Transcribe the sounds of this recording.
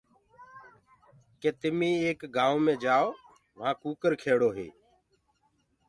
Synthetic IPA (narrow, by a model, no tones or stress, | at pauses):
keːt̪ɪmĩːeːkɡãːoːmẽːd͡ʒaːoː | ʋãːkuːkəɾkʰeːɽoːɦḛː